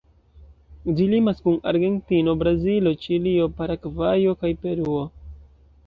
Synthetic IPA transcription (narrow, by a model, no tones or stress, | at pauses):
d͡ʒilimaskuna̰ɾɡe̞ntino̞bɾazilo̞t͡ʃilio̞paɾakvajo̞kajpe̞ɾuo̞